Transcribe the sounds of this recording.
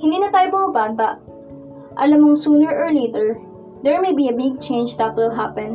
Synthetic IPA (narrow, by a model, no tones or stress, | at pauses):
hɪ̃nd̪iːnɐt̪aːjopɐmɐbaːnt̪ɐʔ | ʔɐ̰lamoŋsuːnɛɹʔɔɹleːt̪ɛɹ | d̪ɛɹmejbiɐbɪɡ̚t͡ʃẽjnd͡ʒd̪ɐt̪̚wɪlɦapɛ̃n